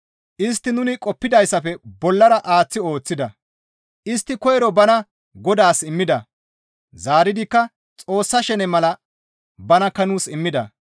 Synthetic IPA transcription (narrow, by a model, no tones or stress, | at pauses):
ʔɪs̬t̪ːɪnʊnɪkʼɔpːɪd̪ɐjsːɐfɛbɔlːɐɾɐʔaːt͡sːɪo̞ːt͡sːɪd̪ɐ | ʔɪst̪ːɪkɔjɛɾɔbɐnɐ | ɡɔd̪aːsɪmːɪd̪ɐ | zaːɾɪd̪ɪkːɐ | t͡sʼo̞ːsːɐʃɛnɛmɐlɐ | bɐnɐkːɐnuːsɪmːɪd̪ɐ̰